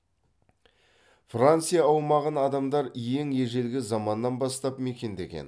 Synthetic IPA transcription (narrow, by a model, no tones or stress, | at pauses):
frant̪sɨijɑːwmɑʁənɑd̪ɑmd̪ɑɾje̞ŋje̞ʒe̞lɡʲɪzɑmɑnːɑnbɑst̪ɑpme̞kʲe̞nd̪e̞ɡʲe̞̰n